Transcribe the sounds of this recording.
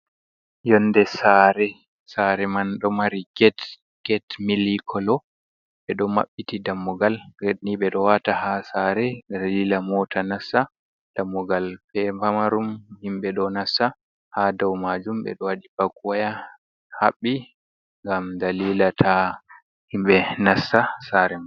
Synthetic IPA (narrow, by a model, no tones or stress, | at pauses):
jɔndɛsaɾɛ | saɾɛmanɗɔmaɾiɡɛt | ɡ̥ɛtmilikʰɔlɔ | ɓɛɗɔma̰ɓːitidamːɔɡalɡeniɓɛɗɔwatahasaɾɛalilamɔtʰanasa | d̥amːɔɡalpɛpamaɾumhimɓɛɗɔnasa | hadawmad͡ʒumbɛ̰ɗɔwaɗibakuwaja | haɓːi | ŋɡamdalilatʰa | himɓɛnasːasaɾɛman